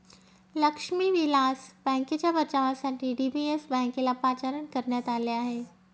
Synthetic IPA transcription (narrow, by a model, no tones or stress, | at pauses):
lɐkʃmiʋilaːsbɛ̃ːŋkəd͡ʑabɐɾt͡ɕaːʋasãʈiɖiːbiesbɛ̃ːŋkelapaːt͡ɕaːɾənkɐɾnjat̪aːljaːɦeː